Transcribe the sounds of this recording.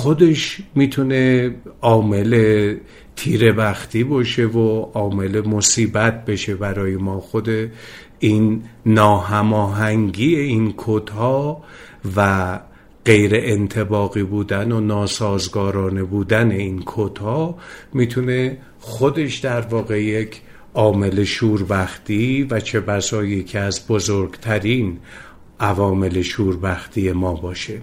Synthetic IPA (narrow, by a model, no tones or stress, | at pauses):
xod̪e̞ʃmiːt̪ʰune̞ɒːme̞le̞ | t̪ʰiːɾe̞bæxt̪ʰiːbɒːʃe̞voɒːme̞le̞mosiːbæt̪̚ʰbe̞ʃe̞bæɾɒːjemɒːxo̞d̪e | inːɒːɦæmɒːɦæŋɡiːeinkʰot̪hɒː | væ | ɢ̥e̞jɾe̞ʔent̪ʰe̞bɒːɣiːbuːd̪ænonɒːsɒːzɡɒːɾɒːnebuːd̪æne̞inkʰod̪̥hɒːmit̪ʰune̞ | xo̞d̪e̞ʃd̪æɾvɒːɣe̞je̞cʰ | ʔɒːme̞leʃuːɾbæxt̪ivæt͡ʃʰe̞bæsɒːjicʰeæzbo̞zoɾɡt̪ʰæɾin | ʔævɒːme̞leʃuːɾbæxt̪iːje̞mɒːbɒːʃe̞